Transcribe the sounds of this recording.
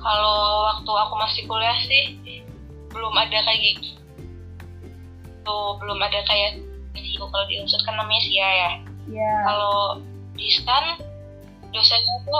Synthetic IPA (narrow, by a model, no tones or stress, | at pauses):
kalowak̚t̪uakumasikulahsɪh | bəlʊmadakajaɡik | t̪ubəlʊmadakajaitiukalodḭunsʊt̪̚kanːamaɲasiajajakalo | diskan | dosaɲat̪u